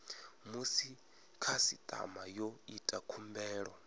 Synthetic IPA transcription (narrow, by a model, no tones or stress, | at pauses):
musi | kʰasit̪ʼa̰majoitʼakʰumbɛːɺɔ